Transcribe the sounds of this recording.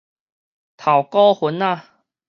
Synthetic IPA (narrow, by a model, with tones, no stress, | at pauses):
t̪ʰa˨˩wkɔ˦hu˨˦na˧